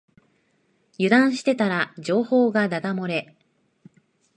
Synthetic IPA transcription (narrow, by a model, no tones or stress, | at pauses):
jɯ̟d̪ãɰ̃ɕi̥t̪e̞t̪aɾad͡ʑo̞ːho̞ːɡad̪ad̪amoɾe̞